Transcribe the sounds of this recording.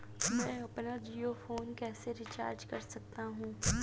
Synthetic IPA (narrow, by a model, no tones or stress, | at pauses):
mɛ̃ːɐpnad͡ʒiːofoːnkɛːseɾɪt͡ʃa̰ːɾd͡ʒkɐɾsɐk̚t̪aɦũː